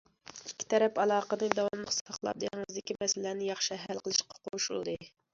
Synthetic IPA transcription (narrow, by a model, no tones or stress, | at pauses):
ikʲːi̥t̪ʰɛɾɛpɑlˠɑːqənɨd̪ɑwɑmlˠəχsɑχlˠɑ̰p̚d̪ɨŋɨzd̪ɪkʲimɛsɪlænɪjɑχʃɨɦælqəlˠɨʃqʰɑ̥qʰoʃulˠd̪ɨ